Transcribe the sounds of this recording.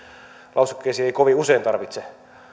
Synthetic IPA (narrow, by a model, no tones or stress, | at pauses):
lɑusukːeisiːeikoʋiuseint̪ɑrʋit̪se